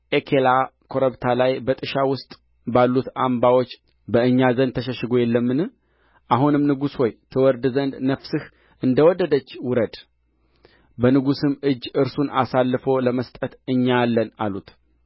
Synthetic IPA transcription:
ʔekʰelakʰo̞ɾəβt̪ʰalajbət̪ʼɨʃawʊst̪ʼ | balːut̪ambawot͡ʃː | bəɨɲːazənd̪t̪ʰəʃəʃɨɡo̞jɛlːəmːɨnɨ | ʔaɦunɨmnɨɡusho̞jt̪ʰɨwɔɾd̪ɨzənd̪nəfsɨh | ʔɨnd̪əwɔd̪əd̪ət͡ʃːwʊɾəd̪ | bənɨɡusɨmɨd͡ʒːɨɾsunasalːɨfo̞ləməst̪ʼət̪ɨɲːalːənalut̪

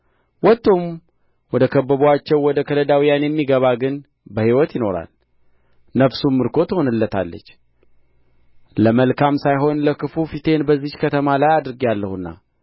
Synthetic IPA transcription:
wɔt̪ːom | wɔd̪əkʰəbːəβuat͡ʃːɛwːɔd̪əkʰələd̪awijanjɛmːiɡəβaɡɨn | bəhiwɔt̪jɪno̞ɾa̰l | nəfsumːɨɾkʰo̞t̪ɨho̞nɨlːət̪ʰa̰lːə̰t͡ʃː | ləməlkamsajɦo̞nləkʰɨfufit̪ʰe̞nbəzːihkʰət̪ʰəmalajad̪ɾɨɡialːəhunːa̰

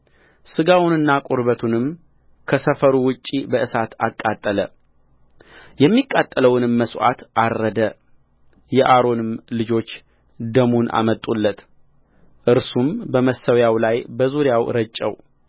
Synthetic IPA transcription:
sɨɡawʊnɨnːakʼoɾbət̪ʰunɨm | kʰəsəfəɾuwʊt͡ʃʼːibəʔɨsat̪ʰakʼːat̪ʼːələ̰ | jɛmːikʼːat̪ʼːələwnɨmːəsʔa̰t̪ʔaɾːəd̪ə | jɛʔaɾo̞nɨmlɨd͡ʒo̞t͡ʃː | d̪əmunʔa̰mət̪ʼulːət̪ | ʔɨɾsumbəməsəwjawlajbəzuɾɪjawɾət͡ʃʼːə̰w

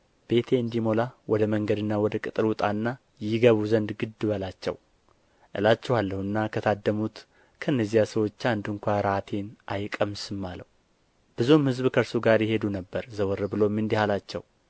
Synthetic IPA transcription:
b̥e̞t̪ʰe̞ɨnd̪imo̞lawɔd̪əməŋɡəd̪ɨnːawɔd̪əkʼɨt̪ʼɨɾwʊt̪ʼanːa | jɪɡəβuzənd̪ɡɨd̪ːɨβəlat͡ʃːɛ̰w | ʔɨ̰lat͡ʃːɛhalːəhɨnːakʰət̪ʰad̪ːəmut̪ | kʰəɨnːəzːijasəwo̞t͡ʃːand̪ɨŋkʷaɾət̪ʰe̞nʔajkʼəmsɨmːaləwu | b̥ɨzumhɨzbkʰəɾsuɡaɾjɪhe̞d̪unəbːəɾzəwɔɾːɨbɨlo̞mːɨnd̪ihalat͡ʃːɛ̰w

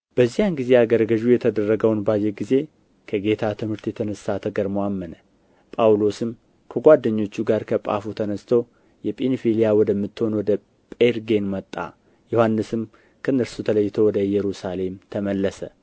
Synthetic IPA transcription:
b̥əzːihanɡize̞aɡəɾɡəʒujɛt̪ʰəd̪ərːəɡəwnbad͡ʒeɡize̞ | kʰəɡe̞t̪ʰat̪ʰɨmhɨɾt̪jɛt̪ʰənəsːat̪ʰəɡəɾmowamːənə | pʼawlo̞sɨm | kʰəɡʷad̪ːəɲːo̞t͡ʃːuɡaɾkʰəpʼa̰fut̪ʰənəst̪ʰow | jɛpʼenfilijawɔd̪əmːɨt̪ːho̞nwɔd̪ə | pʼeɾɡe̞nmət̪ʼːa̰ | johanːɨsɨm | kʰənːəɾsut̪ʰələjːɪt̪ʰowɔd̪əjɛɾusale̞mt̪ʰəməlːəsə

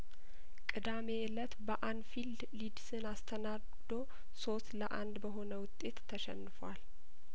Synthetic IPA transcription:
kʼɨd̪ame̞ɛlət̪bəʔand̪fild̪lid̪sɨnast̪ʰəna | d̪o̞ | so̞st̪ləʔa̰nd̪bəɦo̞nəwʊt̪ʼːe̞t̪ʰːəʃɛ̰nːɨfwal

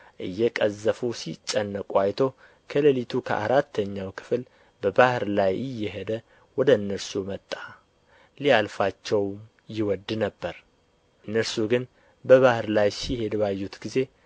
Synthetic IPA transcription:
ʔɨ̰jːɛkʼəzːəfusit͡ʃʼːənːəkʼwajt̪ʰo̞ | kʰələlit̪ʰukʰə̰ʔa̰ɾat̪ʰːəɲːawkʰɨ̥fl | bəbahɨɾlajɪjːɛɦed̪ə | wɔd̪əɨnːəɾsumət̪ʼːa | lialfat͡ʃːɛwm | jɪwɔd̪ːnəbːəɾ | ɨnːəɾsuɡɨn | bəβahɨɾlajsihe̞d̪bajːut̪ɡize̞

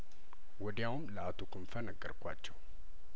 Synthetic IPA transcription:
wɔd̪jawmləat̪ʰukʰɨmfənəɡəɾkʷa̰t͡ʃːɛw

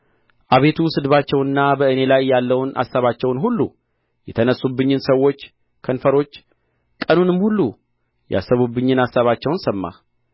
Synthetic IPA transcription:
ʔaβe̞t̪ʰusɨd̪βat͡ʃːɛwɨnːabəɨne̞lajːalːəwna̰saβat͡ʃːɛwnɦulːṵ | jɛt̪ʰənəsːubːɨɲːɨnsəwːo̞t͡ʃː | kʰənfəɾo̞t͡ʃː | kʼənunɨmhulːu | ja̰sːəβubːɨɲːɨnasaβat͡ʃːɛwnsəmːa̰

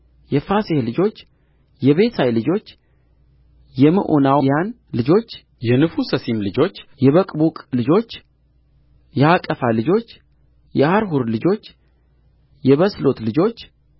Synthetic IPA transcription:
jɛfasehlɨd͡ʒo̞t͡ʃː | jɛβe̞sʰajlɨd͡ʒo̞t͡ʃː | jɛmə̰ʔonawjan | lɨd͡ʒo̞t͡ʃː | jɛnɨfusəsimlɨd͡ʒo̞t͡ʃːjɛβəkʼbukʼlɨd͡ʒo̞t͡ʃː | jɛhakʼəfalɨd͡ʒo̞t͡ʃː | jɛhaɾɦuɾlɨd͡ʒo̞t͡ʃː | jɛβəslo̞t̪lɨd͡ʒo̞t͡ʃː

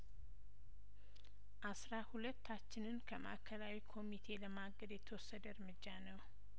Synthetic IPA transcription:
ʔasɾahulət̪ːat͡ʃːɪnɨnkʰəma̰kʰəlawikʰo̞mit̪ʰe̞ləmaɡəd̪jɛt̪ʰəwɔsːəd̪əɨɾmɨd͡ʒːanəw

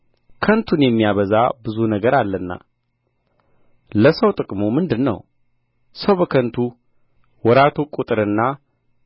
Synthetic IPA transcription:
kʰənt̪ʰunjɛmːijaβəza̰bɨzunəɡəɾalːənːa̰ | ləsəwt̪ʼɨkʼmumɨnd̪ɨnːə̰w | səwbəkʰənt̪ʰu | wɔɾat̪ʰukʼut̪ʼɨɾɨnːa

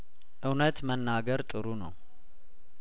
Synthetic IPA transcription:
ʔɨwnət̪mənːaɡəɾt̪ʼɨɾunə̰w

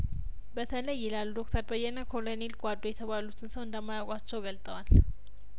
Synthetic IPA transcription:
bət̪ʰələjːɪlalːud̪ok̚t̪ʰəɾbəjːɛnəkʰolonilkʼad̪ːojɛt̪ʰəβalut̪ʰɨnsəwɨnd̪əmːajawkʼat͡ʃːɛwɡəlt̪ʼəwal

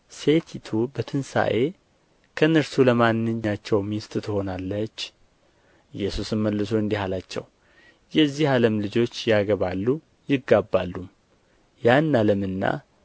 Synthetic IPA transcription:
se̞t̪ʰit̪ʰubət̪ʰɨnsa̰ʔe̞ | kʰəɨnɨɾsuləmanːɨɲːat͡ʃːɛwmist̪ɨt̪ʰɨho̞nalːət͡ʃː | ʔɨjːɛsusɨmməlːɨsoɨnd̪ihalat͡ʃːɛ̰w | jɛzːihaləmlɨd͡ʒo̞t͡ʃːjaɡəβalːu | jɪɡːabːalːum | janːaləmɨnːa̰

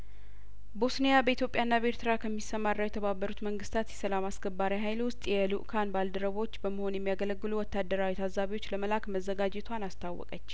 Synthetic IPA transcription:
bosnijabəit̪jo̞pʼjanːabəeɾt̪ʰɨɾakʰəmːisːəmarːawjɛt̪ʰəβabːəɾut̪məŋɡɨst̪ʰat̪jɛsəlamasɡəbːaɾiɦajlwʊst̪ʼjɛluʔkʰanbald̪əɾəβo̞t͡ʃːbəməho̞njɛmːijaɡələɡːɨluwɔt̪ːad̪ːəɾawit̪ʰazaβiwo̞t͡ʃːləməlakməzːəɡad͡ʒɛt̪ʰwanast̪ʰawːɔ̰kʼət͡ʃː

